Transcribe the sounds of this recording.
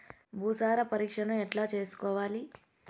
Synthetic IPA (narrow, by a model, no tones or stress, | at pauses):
bʱuːsaːɾɐpɐɾiːkʂɐnɐmɛʈlaːt͡ʃe̞ːsu̥kɔːʋaːli